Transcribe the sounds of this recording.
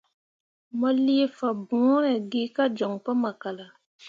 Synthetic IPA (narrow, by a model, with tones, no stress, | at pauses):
mɔ˦li˦e˦fa˨bũ˨˦ɾɛ˨ɡi˦ka˦d͡ʒɔ˨ŋpa˦ma˨ka˨la˨